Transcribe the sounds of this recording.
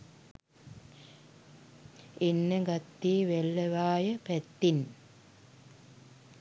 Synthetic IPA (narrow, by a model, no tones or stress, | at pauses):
enːəɡɐt̪ːiːʋelːəʋaːjəpɛt̪ːin